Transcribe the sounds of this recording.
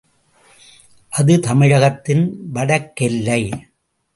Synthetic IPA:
ʔɐðɯt̪ɐmɪɻɐɣɐt̪ːɪnʋɐɽɐkːɪlːɐɪ

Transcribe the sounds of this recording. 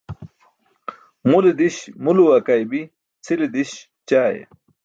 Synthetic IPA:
mulid̪iɕmuluwɐkajbi | t͡sʰilid̪iɕ | t͡ɕaːjḛ

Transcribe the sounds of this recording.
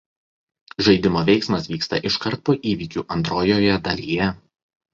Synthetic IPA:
ʒɐɪd̪ʲɪmoːʋʲɛɪksmɐsʋʲiːkst̪ɐ̰ʔɪʃkɐɾˑt̪̚poːʔiːʋʲiːkʲuːʔɐnt̪ɾoːjoːjɛd̪ɐlʲijɛ

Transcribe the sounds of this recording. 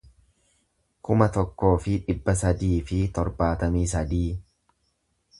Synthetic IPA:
kʊmɐt̪ɔkːo̞ːfɪᶑɪbːɐs̬ɐd̪iːfɪt̪ɔɾbaːt̪ɐmiːs̬ɐd̪iː

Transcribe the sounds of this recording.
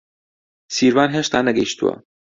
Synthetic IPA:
siːɾvaːnɦeʃt̪aːnɐɡɐjʃt̪ṵwɐ̰

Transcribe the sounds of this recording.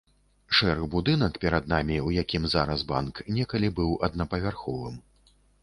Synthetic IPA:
ʂɛɾɨbud̪ɨnɐkpʲɛɾɐd̪̚namʲiwjakʲimzaɾɐzba̰nknʲɛkɐlʲibɨwɐd̪nɐpɐvʲarxɔvɨm

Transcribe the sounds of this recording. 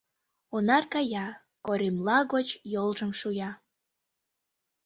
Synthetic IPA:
onɑrkɑjɑ | koɾʲimlɑɣot͡ɕjolʒəmʃujɑ

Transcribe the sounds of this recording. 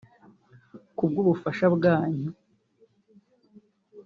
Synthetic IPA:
kub̚ɡuːβufaʃabɡaːɲu

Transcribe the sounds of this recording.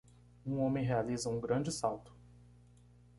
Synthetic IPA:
ũõmẽj̃ɦealizɐũɡɾɐ̃d͡ʒɪsawt̪ʊ̥

